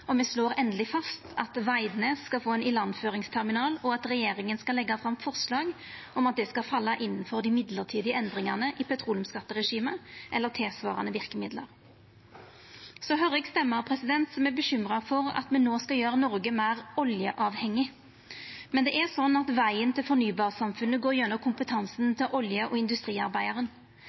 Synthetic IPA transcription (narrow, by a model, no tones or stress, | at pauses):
ɔmɛsloːɾɛnd̪əlɪfɑst̪ʰɑt̪ʋæɪd̪neskɑfoːɛnɪlɑnːføːʁɪŋst̪ʰɛʁmɪnɑːlɔɑt̪ɾɛjeːɾɪŋənskɑlɛɡːɑfʁɑmfɔʁslɑːɡ | ɔmɑt̪̚d̪ɛskɑfɑlːɑʔɪnːnfɔʁd̪ɪmɪd̪ləʁt̪ʰiːd̪ɪəɛnd̪ʁɪŋɑʁnəʔɪpʰɛt̪ʰɾuːljʊmskɑt̪ːəʁɛʂiːməʔɛlːəʁt̪ʰɪːsʋɑ̰ːʁɑ̰nəʋɪʁkəmɪd̪lə̰ɾ | sɔɦœɾɪɡst̪ɛmːəʁpʰʁɛsɪd̪ɛnt̪sɔmɛæbəɕʏmʁɑfɔɾɑ̰t̪mɛnːoːskɑjøːɾənɔʁɡəmæɪʁɔljəʔɑːʋhɛŋːɪ | mɛnd̪ɛʔæʁsɔnːɑt̪ʋæɪənt̪ʰɪlfɔɾnyːbɑːʁsɑmfʉnəɡoːʁjɛnːɔkʰʊmpət̪ʰɑnsnt̪ʰɪlʔɔljəʔɔɪnd̪ʉst̪ʁiːɑʁbæɪɑʁən